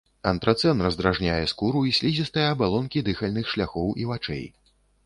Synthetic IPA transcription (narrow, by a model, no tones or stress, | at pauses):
ɐnt̪ɾɐt̪sɛnrɐzd̪ɾaʐnʲajɛskuɾuisʲlʲizʲist̪ɐjɛɐbalˠɔnkʲid̪ɨxɐlʲnɨxʂlʲaxɔwʔivat͡ʂɛ̰j